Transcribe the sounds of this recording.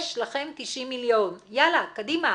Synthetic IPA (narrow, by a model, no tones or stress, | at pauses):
ʃlaχe̞mt̪iʃimːiljonjalakadima